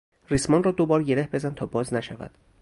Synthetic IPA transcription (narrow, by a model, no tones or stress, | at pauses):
rismɒːnrɒːd̪obɒːɾɟe̞ɾe̞hbe̞zænt̪ʰɒːbɒːznæʃævæ̰d̪̥